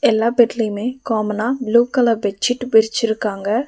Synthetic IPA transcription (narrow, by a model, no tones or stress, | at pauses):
elːabeʈlimẽkɔːmnabluːkɐlabet͡ʃʰiʈbiɾt͡ʃiɾkaːŋɡa